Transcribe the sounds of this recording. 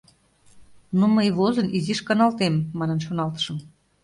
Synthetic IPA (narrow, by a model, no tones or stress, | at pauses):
noməjβozə̆nʔiziʃkɑnɑlt̪emːɑnənʃonɑlt̪ə̥ʃə̆m